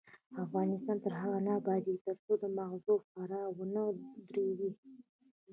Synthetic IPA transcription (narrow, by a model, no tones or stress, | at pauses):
afɣɑnɪst̪ɑnt̪əɾɦaɣanɑbɑd̪it̪əɾt͡sod̪əmaɣzofaɾɑwənəd̪ɾewi